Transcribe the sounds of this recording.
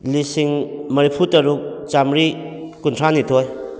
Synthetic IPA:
lisiŋmɐɾipʰutɐɾuk̚ | t͡ʃamɾi | kuntʰɾanitʰoj

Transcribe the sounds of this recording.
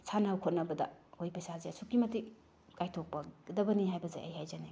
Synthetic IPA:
sʰanawkʰot̚nɐbɐdɐ̰ojpɐjsazeɐsʰukːimɐti | kajtʰok̚pɐdɐbɐniɦajbɐza̰jʔɐ̰jhajzane

